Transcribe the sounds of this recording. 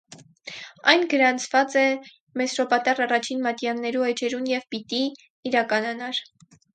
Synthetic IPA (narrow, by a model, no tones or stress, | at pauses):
ɑjnɡəɾɑnt͡sʰvɑt͡sɛ | mɛsɾɔpɑt̪ɑrɑrɑt͡ʃʰinmɑt̪jɑnːɛɾuhɛt͡ʃɛɾunjɛvpit̪iː | ɾɑkɑnɑnɑɾ